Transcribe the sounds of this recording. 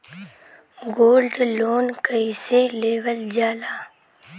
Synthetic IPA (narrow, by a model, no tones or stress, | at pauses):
ɡoːlɖloːnkəiseleːwəld͡ʒaːlaː